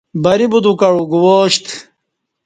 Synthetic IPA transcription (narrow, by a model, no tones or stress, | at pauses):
bɐɾibud̪ukɐɻuɡuwoːɕt̪